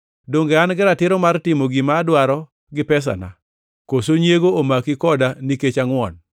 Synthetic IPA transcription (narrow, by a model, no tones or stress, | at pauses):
doŋɡeanɡɪɾatɪɾɔmartɪmoɡimaːdwaɾɔ | ɡɪpɛs̬a̰na̰ | kosoɲjeɡoomakɪkɔdaniket͡ʃaŋwɔn